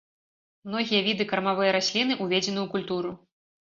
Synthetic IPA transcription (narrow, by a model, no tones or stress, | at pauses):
mnɔɣʲijɐvʲid̪ɨkɐɾmavɨjɐɾasʲlʲinɨʔuvʲed͡zʲɛn̪ɨwkulʲt̪uɾu